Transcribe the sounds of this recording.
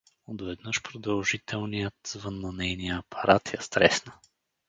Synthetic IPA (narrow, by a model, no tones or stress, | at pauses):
od̪vɛd̪nɤʃpɾod̪ɐlˠʒit̪ʰɛlˠnijət̪zvɤnːɐnɛjnijəːpʰɐɾat̪jɐst̪ɾɛsnə